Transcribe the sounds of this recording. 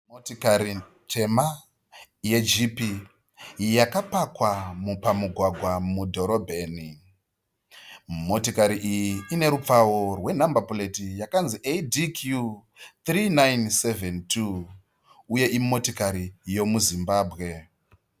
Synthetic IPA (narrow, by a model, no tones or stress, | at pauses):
motokaɾi | tʰe̞ma | je̞d͡ʒipi | jakapakwamupamuɡʱwaɡʱwamudʱo̞ɾobʱe̞ːni | mo̞tokaɾiʔijiine̞ɾup͡faworwe̞nambapole̞tijakanziʔedikʰju | t̪rinajnse̞ventʰu | uje̞ʔimo̞tokaɾijo̞muzimbaːbʱɣe̞